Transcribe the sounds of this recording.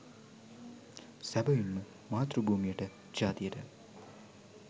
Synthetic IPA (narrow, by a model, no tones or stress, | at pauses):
sæbɐjinːu | maːt̪ɾubʱuːmijəʈə | d͡ʒaːt̪ijəʈə